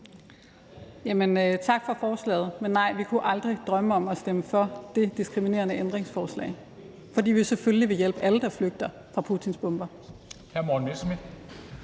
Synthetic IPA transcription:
jæmənøt͡sʰɑ̈ɡ̥fɒ̽fɒːslɛ̰ːð̩ˠmenːɑ̈ɪ̰ʋikʰuʔɑ̈ld̥ʁid̥ʁɶməɒ̽mɒ̽sd̥eməfɒɐd̥e̝d̥isɡ̥ʁimine̝̰ːɐnəʔend̥ʁeŋsfɒːslɛ̰ːɪ | fɒ̽dḭːʋisefølliʋe̝jel̰b̥əæləd̥ɑ̈fløɡ̥̚d̥ɐ | fʁɑ̈pʰuːt͡sʰinsb̥ɔ̽mb̥ɐ | hæɐmɒːn̩ʋesmid̥

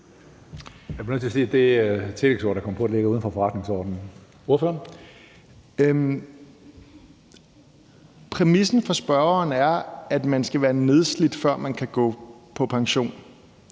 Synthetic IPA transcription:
jb̥nøt͡sʰise̝d̥e̝t͡sʰe̝leɡ̥so̰ːd̥ɑ̈kʰɒm̰pʰɒ̥̽ele̝ɡ̥ɐuð̞ˠn̩fɒ̽fɒʁɑ̈d̥ne̝ŋsɒ̰ːd̥n̩ | o̝ɐ̰føɐn | pʰʁɛmisn̩fɒ̽sb̥ɶɐɐnæɐæd̥mænsɡ̥æʋæːɐne̝ð̞ˠslid̥fɶɐ̰mænkʰæɡ̥ɔ̰̽ːpʰɒ̽pʰɑ̈ŋɕo̝̰ːn

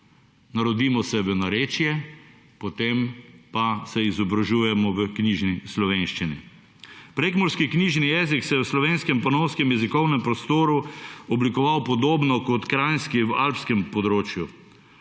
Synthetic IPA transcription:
naɾɔd̪iːmɔsɛʋənaɾeːt͡ʃjɛ | pɔt̪empasɛizɔbɾaʒuːjɛmɔʋəkniːʒnislɔʋeːnʃt͡ʃinḭ | pɾeːkmɔɾskikniːʒnijɛːziksɛjɛwslɔʋeːnskɛmpɔnɔwskɛmjɛzikɔwnɛmpɾɔst̪oːɾuɔblikɔʋawpɔd̪oːbnɔkɔt̪kɾajnskiwa̰lpskɛmpɔd̪ɾoːt͡ʃju

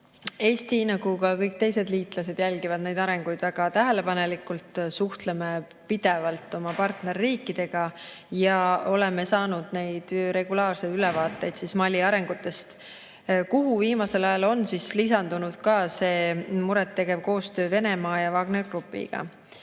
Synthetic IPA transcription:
e̞ːst̪inɑɡ̥ukɑkɤjk̚t̪e̞jse̞d̪liːt̪ˑlɑse̞d̪jælʲɡivɑd̪̥ne̞jd̪̥ɑɾe̞ŋɡ̥ujd̪væɡ̥ɑt̪æɦe̞le̞pɑne̞likːˑult̪suht̪leme | pid̪̥e̞vɑlt̪ːˑo̞mɑpɑrt̪ne̞rːiːkːˑid̪̥e̞ɡ̥ɑ | jɑo̞le̞me̞sɑːnud̪̥ne̞jd̪̥ɾe̞ɡ̥ulɑːrse̞jd̪ylɛvɑːt̪ˑːe̞jd̪̥sismɑlʲːiɑɾe̞ŋɡ̥ut̪ːˑe̞st̪ | kuɦuviːmɑse̞lɑjɑlo̞nsislisɑnd̪̥unud̪̥kɑse̞ːmuɾɛt̪ːe̞ɡe̞v̥ko̞ːst̪ø̞ːve̞ne̞mɑːjɑvɑːɡne̞rɡ̥rupːˑḭɡ̥ɑ̰

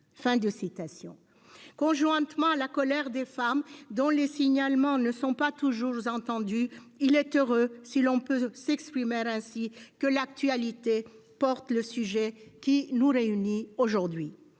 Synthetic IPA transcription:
fɛ̃d̪əsit̪asjɔ̰̃ | kɔ̃ʒwɛ̃t̪mɑ̃alakɔlɛʁd̪efamd̪ɔ̃lesiɲalmɑ̃nəsɔ̃pat̪uʒuʁzɑ̃t̪ɑ̃d̪yilɛt̪øʁøsilɔ̃pøsɛkspχimeʁɛ̃sikəlak̚t̪ɥalit̪epɔʁt̪ləsyʒɛkʲinuʁeynioʒuʁd̪ɥi

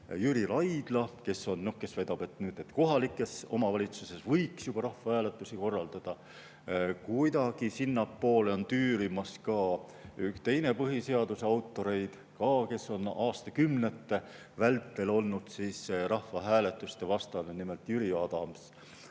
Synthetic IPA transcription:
jyɾilɑjd̪̥lɑke̞sːo̞nːno̞hke̞svæjd̪̥ɑb̥e̞t̪nyːd̪̥et̪ko̞ɦɑlikːˑe̞so̞mɑvɑlʲit̪suse̞svɤjksjub̥ɑɾɑhvɑhæːle̞t̪ːˑusiko̞rːɑld̪̥ɑd̪̥ɑ | kujd̪ɑɡ̥isinːɑpːo̞ːle̞o̞nt̪yːɾimɑskɑː | ykt̪e̞jne̞pɤɦise̞ɑd̪useɑwt̪ːˑo̞ɾe̞jd̪̥ | kɑːke̞sːo̞nɑːst̪ɑkymnet̪ːe̞ | vælt̪ːˑe̞lo̞lnud̪̥siːsrɑhvɑɦæːle̞t̪ːˑust̪e̞vɑst̪ɑnunime̞lt̪jyɾiɑd̪̥ɑms

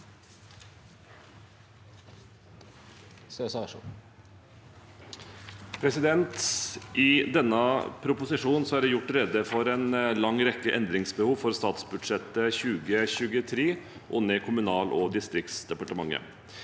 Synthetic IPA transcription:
søsɑʂṵ | pʰɾɛsɪd̪ɛnt̪ʔɪd̪ɛnːəpʰɾʊpʊsɪʂuːnsɔæɖɛjʊʈːɾɛd̪əfɔɾɛːnlɑŋɾɛkːəʔɛnd̪ɾɪŋsbəhuːʋfɔɾst̪ɑːt̪sbʉd̪ʂɛt̪əçʉːɡəçʉːɡət̪ʰɾiː | ʔʊnːəkʰʊmʉnɑːlʔɔd̪ɪst̪ɾɪk̚t̪sd̪ɛpɑʈəmɑŋːə̰

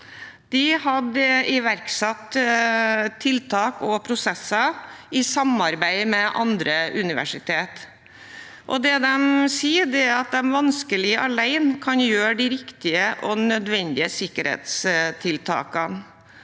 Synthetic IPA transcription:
d̪̥ɪhɑd̪əɪʋæɾksɑt̪ː | t̪ʰːɪlt̪ʰɑːkɔpʰɾʊsɛsːəɪsɑmɑɾbæɪmɛʔɑ̰nd̪ɾəʔʉnɪʋæ̰ʂɪt̪ʰeːt̪ | ʔɔ̰d̪ɛd̪ɛmsiːd̪ɛæɾɑt̪̚d̪ɛmʋɑnskəlɪʔɑlæɪnkʰɑnjøːɖɪɾɪkt̪ɪəʔɔnœd̪ʋɛnd̪ɪəsɪkːəɾhḛːt̪st̪ʰɪlt̪ʰɑ̰ːkən

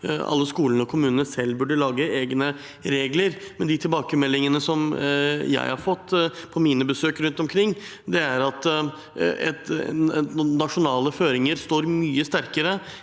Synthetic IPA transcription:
ɑ̰lːəskuːlənəɔkʰʊmʉːnənəsɛlːbʉɖəɭɑːɡəeːɡnə | ɾeːɡləɾmɛnd̪ɪt̪ʰɪlbɑːkəmɛlːɪŋənəsɔmjæ̰ɪhɑɾfɔt̪ːpʰɔmiːnəbəsøːkɾʉnt̪ɔmkʰɾɪŋː | d̪ɛæɾɑt̪ | ɛt̪ | nɑʂʊnɑːləføːɾɪŋəɾst̪oːɾmyːəst̪æɾkəɾə

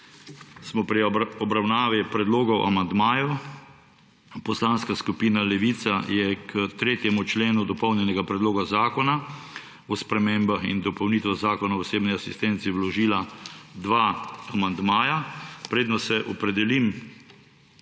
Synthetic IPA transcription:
smɔpɾiɔbɾawnaːʋipɾɛd̪loːɡɔwʔa̰mand̪maːju | pɔslanskaskupiːnalɛʋiːt̪sajɛkʰət̪ɾeːt̪jɛmut͡ʃleːnud̪ɔpɔwnjɛnɛɡapɾɛd̪loːɡazaːkɔna | ɔspɾɛmeːmbaxḭnd̪ɔpɔwniːt̪ʋɛzaːkɔnaɔseːbniasist̪ɛnt̪siwlɔʒiːlad̪ʋaːamand̪maːjapɾeːd̪nɔsɛʔɔpɾɛd̪ɛlim

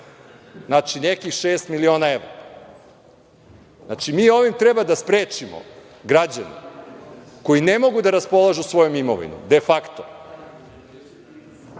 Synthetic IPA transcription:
znat͡ʃinekixʃeːst̪milio̞ːnaeʋɾa | znat͡ʃimiːo̞ʋimt̪ɾebad̪aspɾeːt͡ʃimo̰ | ɡɾad͡ʑanḛ | ko̞inemo̞ɡud̪aɾaspo̞lˠaʒusʋo̞jomimo̰ʋḭnṵmd̪e̞fakt̪o

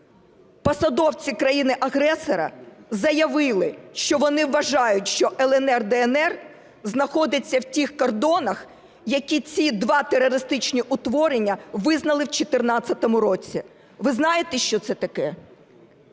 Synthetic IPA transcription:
pɔsɐd̪ɔwt͡sʲikɾɐjinɪʔɐɦɾɛsɔɾɐ̰zɐjɐʋɪlˠɪʃt͡ʃɔʋɔnɪʋːɐʒɑjʊt̚ʲʃt͡ʃɔʔɛlˠɛnɛrd̪ɛːnɛr | znɐxɔd̪ɪt͡sʲːɐwtʲixkɔrd̪ɔnɐx | jɐkʲit͡sʲid̪ʋɑt̪eɾɔɾɪst̪ɪt͡ʃnʲiʔʊt̪ʋɔɾenʲːɐʋɪznɐlˠɪwt͡ʃet̪ɪrnɑt͡sʲːɐt̪ɔmʊɾɔt͡sʲi | ʋɪznɑjet̪ɛʃt͡ʃɔt̪sɛt̪ɐkɛ

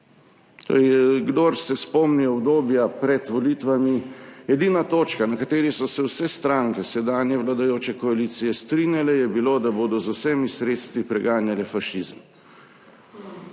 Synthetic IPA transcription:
t̪o̰ːɾɛjɛɡd̪oɾsɛspɔmniɔbd̪oːbjapɾɛt̪ʋɔlit̪ʋamiɛd̪iːnat̪oːt͡ʃkanakat̪eːɾisɔsɛwsɛst̪ɾaŋkɛsɛd̪aːnjɛʋlad̪ajoːt͡ʃɛkɔalit̪sijɛst̪ɾinjalɛjɛbilod̪aboːd̪ɔzʊsɛmisɾet̪st̪ʋipɾɛɡaːnjalɛfaʃizəm

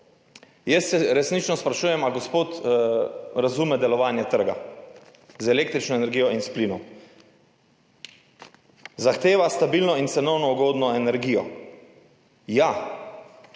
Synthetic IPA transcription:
jɛssɛɾɛsnit͡ʃnɔspɾaʃuːjɛmaɡospoːt̪ | ɾazuːmɛd̪ɛlɔʋaːnjɛt̪əɾɡa̰ | zɛleːk̚t̪ɾit͡ʃnɔenɛɾɡijɔinsplinɔm | zaxt̪eːʋast̪abilnɔint̪sɛnɔwnɔuɡoːd̪nɔɛnɛɾɡijɔ̰ | ja

